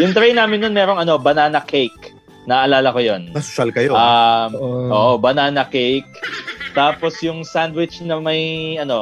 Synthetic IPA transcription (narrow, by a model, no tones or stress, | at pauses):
jʊŋt̪ɾejnaːmɪnːonmɛːɾo̞ŋʔɐno̞bɐnaːnɐkʰejk | nɐʔʔɐlaːlɐkojonmɐssɐlkɐjoɐ | ʔoːʔobɐnaːnɐkejk̚t̪aːpo̞sjʊŋsand̪wɪt͡ʃnɐmɐjʔɐno̞